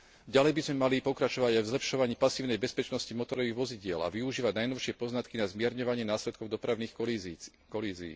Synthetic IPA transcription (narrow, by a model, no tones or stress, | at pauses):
ɟalɛjbizmɛmalipɔkɾat͡ʃɔʋaɟajvzlɛpʃɔʋaɲiːpasiːʊnɛjbɛspɛt͡ʃnɔscimɔt̪ɔɾɔʋiːɣʋɔziɟɪɛla̰ʋiuʒiːʋaɟnajnɔʊʃɪɛpɔznat̪kinazmɪɛɾɲɔʋaɲɪɛnaːslɛt̪kɔʊd̪ɔpɾaʊniːx | kɔliːzḭː